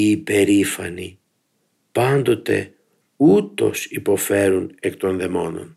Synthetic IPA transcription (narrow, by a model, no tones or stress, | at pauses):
iːpe̞ɾifɐni | pɐnd̪o̞t̪e̞̰ | ut̪o̞sipo̞fe̞ɾunekt̪o̞nðe̞mo̞no̞̰n